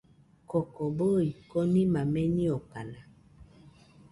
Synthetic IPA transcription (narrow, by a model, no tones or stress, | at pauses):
kɔkɔboikɔnimamɛniɔk͡pana